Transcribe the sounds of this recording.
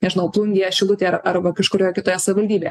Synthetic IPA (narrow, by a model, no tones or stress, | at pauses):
nʲɛʒʲɪnɐʊplˠʊŋʲɡʲijɛʃʲɪlˠʊt̪ʲeːɐɾɐrʋɐkɐʃkʊɾʲoːjkʲɪt̪oːjɛsɐʋʲɪʋɐlʲd̪ʲiːbʲeːjɛ